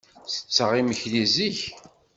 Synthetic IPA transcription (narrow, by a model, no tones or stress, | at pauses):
θə̥t͡sːəʁiməçliziç